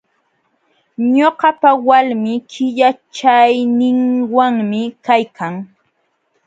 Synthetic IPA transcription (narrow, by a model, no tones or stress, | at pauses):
ɲoɢɑpawalmɪkʰɪʎat͡ʃajnɪŋwaŋmɪkajkʰaŋ